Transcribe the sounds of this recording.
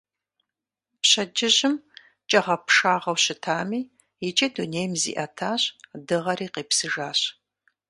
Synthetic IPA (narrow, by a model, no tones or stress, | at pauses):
pɕɐd͡ʒɪʑɪm | t͡ʃʼɐʁɐpʂaːʁɐwɕɪtʰaːmiː | it͡ʃʼɐduneːjmzḭːʔɐtʰaːɕdɨʁɐɾiːqeːpsɨʒaːɕ